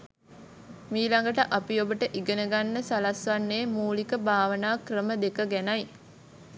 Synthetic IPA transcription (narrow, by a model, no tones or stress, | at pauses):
miːlaŋɡəʈəʔapiobəʈəʔiɡənəɡanːəsalasʋanːeːmuːlikəbaːʋənaːkrəməd̪ekəɡænaj